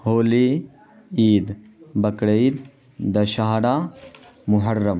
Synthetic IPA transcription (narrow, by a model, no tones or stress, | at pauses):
hoːli | iːd̪ | bɐkɽeid̪ | d̪ɐʃaːɽaː | mʊɦɐrːɐm